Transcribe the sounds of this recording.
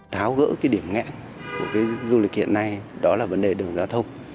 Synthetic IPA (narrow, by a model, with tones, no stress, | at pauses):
t̪ʰaː˨˦wɣə̰ː˧˥kaː˨˦jɗi˧˩əmŋɛ̰˧˥n | ku˧˩əkaː˨˦jzu˧lï˨˩k̟̚hḭ˧˨ənːa˧jɗɔ˨˦laː˨˩və˨˦nɗe˨˩ɗɨ˨˩əŋzaː˧wt̪ʰə˧wŋ͡m